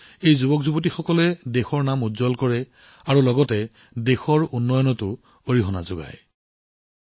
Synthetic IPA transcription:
ejzubɔkzubɔtixɔkɔlɛdexɔɹnamuzɔlkɔɹɛ | aɹulɔɡɔtɛ | dexɔɹunːɔjɔnɔtʊ | oɹiɦɔna̰zʊɡa̰j

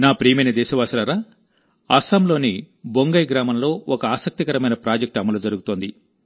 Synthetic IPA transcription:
naːpɾiːmɐjnɐd̪ɛːʃɐʋaːsɐlɐɾaː | ɐsɐmlo̞ːni | boŋɡɐjɡɾaːmɐmlo̞ːɔkɐaːsɐk̚t̪ikɐɾɐmɐjnɐpɾaːd͡ʒɐk̚ʈɐmɐlud͡ʒɐɾuɡut̪oːnd̪i

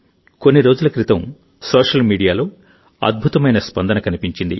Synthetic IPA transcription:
ko̞nːiɾo̞ːd͡ʒulɐkɾit̪ɐm | soːʂɐlmiːɽijaːlo̞ː | ɐ̰d̪̚bʱut̪ɐmɐjnɐspɐnd̪ɐnɐkɐnipiɲt͡ʃind̪ḭ

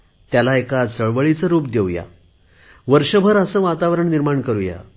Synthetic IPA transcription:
t̪jalaekat͡səɭʋəɭit͡səɾuːp̚d̪ewja̰ | ʋəɾʂəbʱəɾəsəːʋat̪aʋɾəɳniɾmaɳkəɾuja̰

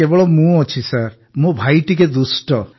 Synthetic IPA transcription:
ebɔɭɔmũɔt͡ʃʰisaɾ | mũbʱajʈiked̪usʈɔ

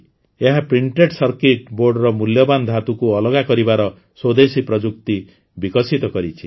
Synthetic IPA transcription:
eɦapɾiɳʈeʈsɔɾkeʈboɾɖɾɔmuljɔband̪ʱɦat̪ukuɔlɔɡakɔɾibaɾɔ | swod̪esipɾɔd͡ʒuk̚t̪i | bikɔsit̪ɔkɔɾit͡ʃʰi̥

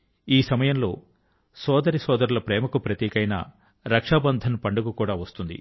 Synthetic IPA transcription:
iːsɐmɐjɐmlo̞ː | sɔːd̪ɐɾisɔːd̪ɐɾulɐpɾɛːmɐkupɾɐt̪jɛːkɐjna̰ː | ɾɐkʂaːbɐnd̪ʱɐnpɐɳɖuɡukuːɽaːʋɐst̪und̪ḭ

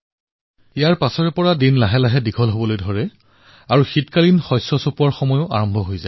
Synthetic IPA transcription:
ijaɹpasɔɹɛpɔɹadinlaɦɛlaɦɛdikʰɔlɦobɔlojdʱɔɹɛ | aɹuxitkalinxɔjsːɔsopuaɹxɔmɔjʊʔa̰ɹɔmbʱɔɦojza̰

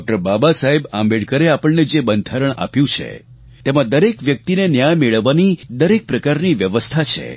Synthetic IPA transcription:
ɔk̚ʈəɾbabasaɦebãmbeɽkəɾeapəɭned͡ʒebənd̪ʱaɾəɳ̃a̰pjũt͡ʃʰḛ | t̪emãd̪əɾekʋjək̚t̪inenjajmeɭəʋːanid̪əɾek̚pɾəkaɾniʋjəʋəst̪ʰat͡ʃʰḛ

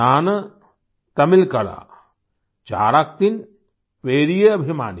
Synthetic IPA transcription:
aːnɐ | t̪ɐmilkɐɽa̰ː | t͡ʃa̰ːɾak̚t̪in | pɾeːɾijeɐbʱimaːni

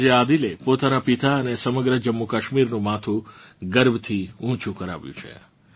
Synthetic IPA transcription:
d͡ʒead̪ilepot̪anapit̪aənesəməɡɾəd͡ʒəmːukəʃmiɾnũmat̪ʰuɡəɾbt̪ʰiũt͡ʃũkəɾa̰ʋjṵ̃t͡ʃʰḛ

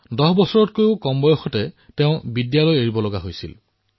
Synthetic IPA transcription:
dɔɦbɔsɔɹɔtkojʊkɔmbɔjɔxɔtɛtɛʊ̃bidjalɔjeɹibɔlɔɡaɦojsḭl

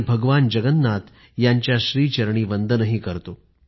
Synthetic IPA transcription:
bʱəɡʋand͡ʑəɡənːat̪ | jaɲt͡ɕjaɕɾiːt͡ɕəɾɳ̃iːʋənd̪ʱənəɦiːkəɾt̪o

